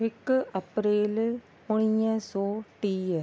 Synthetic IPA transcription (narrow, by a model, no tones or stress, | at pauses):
ɪkːɐpɾeːl | ʊɳijə̃soːʈiː